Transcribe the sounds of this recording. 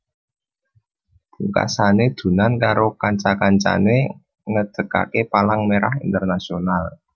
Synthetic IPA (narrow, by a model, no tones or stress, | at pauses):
uka̰saned̪̥ṳnankaɾokaɲt͡ʃakaɲt͡ʃa̰ne | ŋəd̪̥ə̤ka̰kepalaŋmeɾahint̪ərnasional